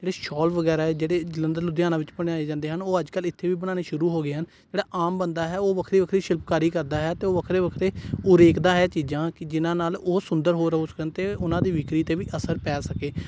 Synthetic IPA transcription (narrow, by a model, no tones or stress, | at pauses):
d͡ʒeːɽeːʃɔːlʋəɡɛːɾaːd͡ʒeːɽeːd͡ʒələnd̪əɾlʊd̪jaːnãːʋɪt͡ʃpəɽ̃eːaːeːd͡ʒãːnd̪eːɦənoːəd͡ʒkəlɪt̪ʰːeːʋiːbəɽaːneːʃʊɾuːɦoːɡeːɦən | d͡ʒeːɽaːʔaːmbənd̪aːɦɛːoːʋəkʰɾiːʋəkʰɾiːʃɪlpkaːɾiːkəɾd̪aːɦɛːt̪eːoːʋəkʰɾeːʋəkʰɾeːʊɾeːkd̪ãːɦɛːt͡ʃiːd͡ʒãːkɪd͡ʒɪnãːnaːloːsʊnd̪əɾɦoːɾəɦoːsəkənt̪eːʊnãːd̪iːʋɪkɾiːt̪eːʋiːʔəsəɾpɛːsəkeː